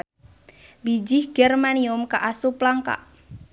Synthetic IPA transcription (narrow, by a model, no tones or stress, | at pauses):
bid͡ʒɪhɡ̥ɛrmaniʊmkaʔasuplaŋka̰ʔ